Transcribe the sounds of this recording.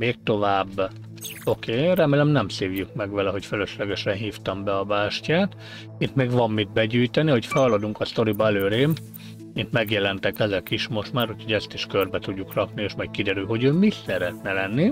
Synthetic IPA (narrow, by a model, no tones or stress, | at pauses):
meːk̚t̪o̞vaːbː | o̞keːɾɛmeːlɛmnɛmseːvjykmɛɡʋɛlɛɦo̞cføløʃlɛɡɛʃɛnɦiːft̪ɒmbɛɒbaːʃcaːt̪ | it̪meːɡvɒmːid̪̚bɛɟyːjt̪ɛniho̞cfɛlɒlod̪uŋkɒst̪o̞ɾibɒɛløːɾeːm | mint̪mɛɡjɛlɛnt̪ɛkɛzɛkiʃmo̞ʃt̪maːɾucho̞ɟɛst̪iʃkørbɛt̪uɟːukrɒknieːʃmɒjt̪̚kid̪ɛɾylɦo̞ɟøːmisɛɾɛt̪nɛlɛnːi